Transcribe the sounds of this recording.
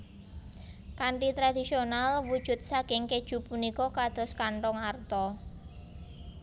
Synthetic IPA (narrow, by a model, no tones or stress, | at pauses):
kaɳʈit̪ɾadisionalwud̥ʒ̥ʊ̤t̪̚sakɪŋked̥ʒ̥ṳpunikɔkad̪̥ɔ̤skaɳʈɔŋart̪ɔ